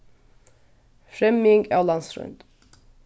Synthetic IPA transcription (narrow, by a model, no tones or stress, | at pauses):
fɾɛmɪŋɡælɑnsɾʉ̰nt̪